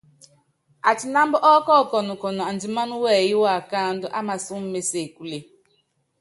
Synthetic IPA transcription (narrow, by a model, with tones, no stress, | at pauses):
a˨t͡ʃi˨na˦m˦bʊ˦ʔɔ˦kɔ˦˨kɔ˨nʊ˨kɔ˨nɔ˨a˨n˨di˨ma˦nu˦wɛ˦˨ji˦wa˨ka˦n˦dʊ˦ʔa˦ma˨su˦m̩˦me˨se˨ku˨le˨